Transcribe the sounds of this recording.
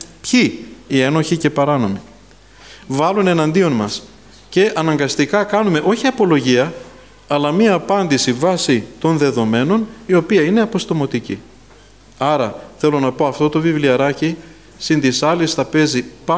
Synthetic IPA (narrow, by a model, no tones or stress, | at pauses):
pçiːe̞no̞çice̞pɐɾɐno̞mi | vɐlune̞nɐnd̪io̞nmɐs | ce̞ʔɐnɐŋɡɐst̪ikɐkɐnume̞ʔo̞çiɐpo̞lo̞ʝiɐ | ɐlɐmiɐːpɐnd̪isivɐsit̪o̞nðe̞ðo̞me̞no̞nio̞piɐine̞ɐpo̞st̪o̞mo̞t̪icḭ | ɐɾɐθe̞lo̞nɐpo̞ɐft̪o̞t̪o̞vivliɐɾɐci | sind̪isɐlist̪ɐpe̞zipɐ